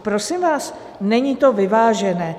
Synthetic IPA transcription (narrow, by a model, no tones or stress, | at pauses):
pɾosimvaːs | nɛɲiːt̪o̞vɪvaːʒɛnɛː